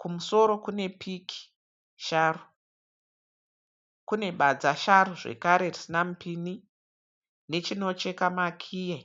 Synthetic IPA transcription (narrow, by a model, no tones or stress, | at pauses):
kumuso̞ɾo̞kune̞pʰikʰi̥ | ʃaru | kune̞ɓad͡zaʃaɾuʐe̞̰kaɾe̞risinam̩pʰini | ne̞t͡ʃino̞t͡ʃe̞kamakʰiːje